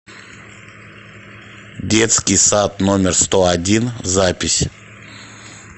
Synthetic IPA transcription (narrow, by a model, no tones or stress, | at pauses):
dʲet̪skʲɪjsat̪nomʲɪrst̪oadʲinzapʲɪsʲ